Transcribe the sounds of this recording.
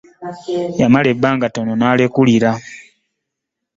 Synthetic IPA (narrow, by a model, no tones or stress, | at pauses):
jamale̞bːaːŋɡato̞no̞naːlekuliɾa